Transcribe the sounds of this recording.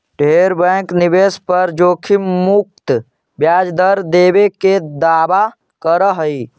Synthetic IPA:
ɖʱeɾbɛ̃ːknɪbeːspəɾd͡ʒoːkʰimuk̚t̪ | bjaːd͡ʒd̪əɾd̪eːbeked̪aːba | kəɾəɦəi

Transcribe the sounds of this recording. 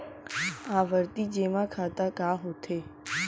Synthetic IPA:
aʋəɾt̪id͡ʒemãkʰat̪akaɦot̪ʰe

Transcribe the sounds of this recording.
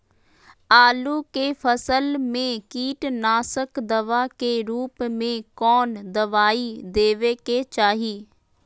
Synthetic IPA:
aːluːkeːfʰəsəlmẽːkiːʈnaːsəkd̪əʋaːkeːɾuːpmẽːkɔːnd̪əʋaːiːd̪eːʋeːkeːt͡ʃaːɦiː

